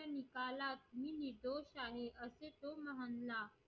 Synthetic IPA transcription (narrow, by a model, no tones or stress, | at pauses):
ɐnikaːlaːt̪̚minid̪oːʃaːɦeʔɐset̪omɐɦənlaː